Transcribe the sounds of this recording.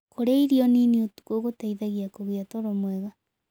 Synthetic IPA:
koɾaiɾiɔniniotu̥koɣotaiðaɣiakoɣiatoɾomwɛɣa

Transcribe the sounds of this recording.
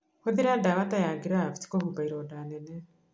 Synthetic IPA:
huðiɾadaβatajaɡiɾafiti̥kohubaiɾodanene

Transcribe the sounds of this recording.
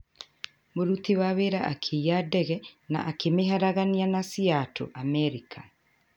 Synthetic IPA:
moɾutiwaweɾaʔakʰeiadɛɣɛna̰ʔakemeɦaɾaɣanianasiatʰo̰ʔamɛɾikʰa

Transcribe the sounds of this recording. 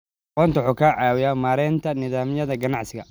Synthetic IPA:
qɔnt̪ɐħʊkʰɐʕɑːwɪjamaːɾɛːnt̪ʰɐnɪðaːmjɐðɐɡɐnɑʕsɪɣɐ

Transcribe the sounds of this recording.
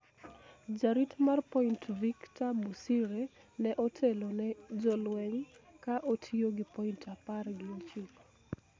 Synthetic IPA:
d͡ʒaɾitmarpointviktamusiɾe | nɛʔotʰelonɛd͡ʒɔlwɛŋkaʔotʰioɡɪpointʰaparɡɪot͡ʃik

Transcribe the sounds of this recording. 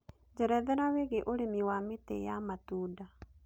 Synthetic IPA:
d͡ʑɛɾɛðɛɾaweɣeʔoɾemiwametḛjamatuːda

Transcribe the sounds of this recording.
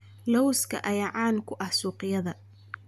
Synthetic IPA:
lɔwskʰɐ̰ʔɐjɑʕɑːnkʰʊʔɐhsuːqɪjɐðɐ

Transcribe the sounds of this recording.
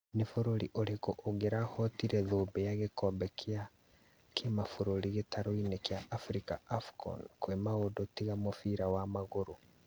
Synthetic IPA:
nifoɾoɾiʔoɾekoʔːɣeɾahɔtiɾɛðoːbɛjaɣekɔbɛkʰja | kʰemafoɾoɾiɣetʰaɾoinekjaʔafɾikaafkɔ̰nkoemaodotiɣamofiɾawamaɣoɾo

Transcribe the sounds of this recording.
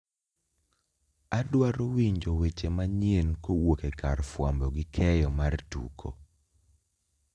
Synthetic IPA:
adwaɾowiɲd͡ʒowet͡ʃemaɲjenkowokekarfwambɔɡɪkʰɛjɔmartṵkʰo̰

